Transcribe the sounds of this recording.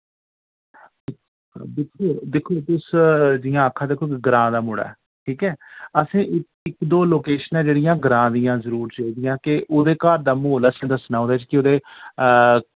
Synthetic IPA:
d̪ɪkʰːoːd̪ekʰːoːt̪ʊsd͡ʒɪjãːəkʰːãːd̪eːkʰːokɡɾãːd̪aːmʊɽa̰ɛ | ʈʰiːkɛːəsĩːʔɪ | ɪkd̪oːloːkeːʃənɛ̃ːd͡ʒeːɽɪjãːɡəɾãːd̪ɪjãːzəɾuːɾt͡ʃaːiːd̪ɪjãːkɪʔoːd̪eːkaːɾd̪aːmoːləsĩːd̪əsnãːõːd̪aːt͡ʃkɪod̪eː

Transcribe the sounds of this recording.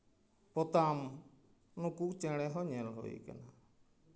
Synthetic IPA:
pɔt̪am | nukut͡ʃɛɽ̃ɛɦɔɲɛlɦo̰j̰ka̰na

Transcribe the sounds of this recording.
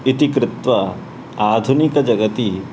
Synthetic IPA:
it̪ikɾɪt̪ʋɐ | aːd̪ʱunikɐd͡ʒɐɡət̪i

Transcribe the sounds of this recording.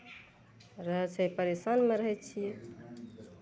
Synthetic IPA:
ɾəɦɛt͡ʃʰəipəɾesanmeɾəɦɛt̪t͡ʃʰijɛ

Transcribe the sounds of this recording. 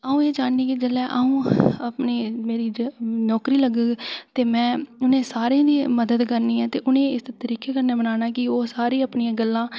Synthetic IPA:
aːũːeːd͡ʒaːnniːkɪd͡ʒəlɛːʔaːũːəpneːmeːɾiːnɔːkɾiːləɡəɡt̪eːmɛ̃ːʊnẽːsaːɾeãːd̪iːməd̪əd̪kəɾniːɛːt̪eːʔʊnẽːɪst̪əɾiːkeːkəɾneːbənaːnaːkɪoːsaːɾiːəpniːãːɡəlːãː

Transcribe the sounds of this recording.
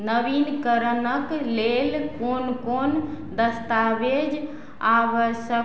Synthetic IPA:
nəbinkəɾənəklelkonkon | d̪əst̪abed͡ʒ | aʋəsə

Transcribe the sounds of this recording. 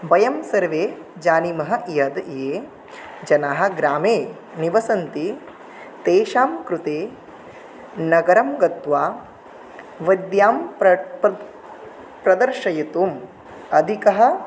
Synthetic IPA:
bɐjɐmsɐɾʋeːd͡ʒaːnimɐɦɐ̆ʔjɐd̪jeː | d͡ʒɐnaːɦɐ̆ɡɾaːmeː | niʋɐsɐnt̪i | t̪eːʃaːmkɾut̪eː | nɐɡɐɾɐmɡɐt̪ʋaː | ʋɐd̪jaːm | pɾɐd̪ɐɾʃɐjɐt̪uːm | ɐd̪ʱikɐɦɐ̆

